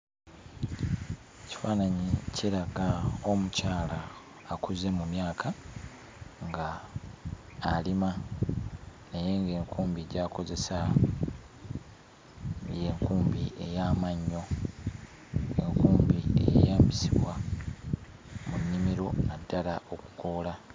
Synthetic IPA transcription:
eci̥faːnaɲicʰeɾaɡaomucaːlaː | kuze̞mumjaːkʰa | ŋɡa | lima | neje̞ŋɡe̞ːŋkuːmbieɟaːko̞ze̞sa | je̞ːŋkuːmbiʔe̞̰jamaɲːo̞ | e̞̰ŋkuːmbiḛjḛjaːmbisiβwa | munːimiɾo̞̰nadːalao̞ku̥ko̞ːla

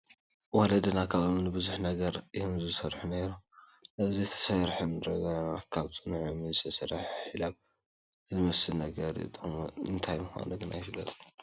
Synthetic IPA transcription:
wɔlɐd̪ɐnakʰaβomnɨbɨzuħnɐɡɐɾihɨmzɨsɐɾħuneɾu | nɐzit̪ʰɐ̥sɐɾħɨndɾɐɡɐnakʰaβt͡sʼɨnuʕumizɨt̪ʰɐsɐɾaħħilaβ | zɨmɐsɨnɐɡɐɾɨ̰t̪ʼɨmɨnt̪ʰajmɨxa̰nuɡɨna̰jɪfɨlːɐ̰t̪ʼ

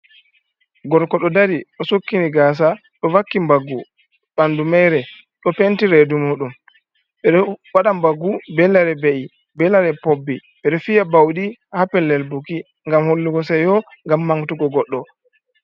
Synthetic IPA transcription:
ɡɔɾkɔɗɔdaɾiɗɔsokːiniɡaːs̬a | ɗɔwakːimbaɡːu | ɓandumɛjɾɛ | ɗɔpentiɾedumuːɗum | ɓɛɗɔwaɗambaɡːubɛlːaɾɛbeʔi | bɛlaɾɛpobːiɓɛɗɔfijabawɗihapɛlːɛlbuki | ŋɡamholːuɡɔs̬ajɔŋɡamːaŋtuɡɔɡɔɗːɔ

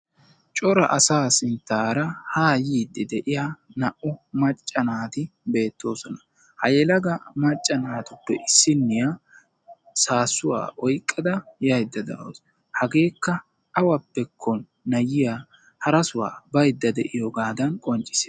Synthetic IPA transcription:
t͡ʃʼɔɾɐ̰ʔɐsaːsɪnt̪ːaːɾɐhaːjiːd̪ːɪd̪ɛʔɪjanɐʔʊmɐt͡ʃʼːɐnaːt̪ɪbe̞ːt̪ːo̞ːsɔnɐ̥ | hɐ̰jɛlɐɡɐmɐt͡ʃʼːɐnaːt̪ʊpːɛʔɪsːɪnːɪja | saːsʊwa̰ːʔɔjkʼːɐd̪ɐjɐjd̪ːɐd̪ɐ̰ʔo̰ːs | hɐɡe̞ːkːɐ | ʔɐwɐpːɛkʰːɔnːɐjɪja | hɐɾɐsʊwa̰ːbɐjd̪ːɐd̪ɛʔɪjoɡaːd̪ɐnkʼɔnt͡ʃʼːɪ̥se

